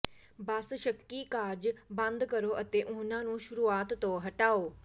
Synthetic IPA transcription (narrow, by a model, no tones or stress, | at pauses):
baːsʃɐkːikaːɾd͡ʑbɐ̃nd̪kɐɾoʔɐt̪eʔʊ̃ɦɪnãnũːʃʊɾuːaːt̪ːoɦɐʈaːoː